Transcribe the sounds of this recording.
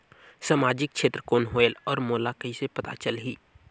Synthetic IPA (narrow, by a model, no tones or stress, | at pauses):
samaːd͡ʒɪk̚ʃeːt̪ɾəkoːnɦoːelɔːɾmoːlakəisepɐt̪a̰t͡ʃəlɦiː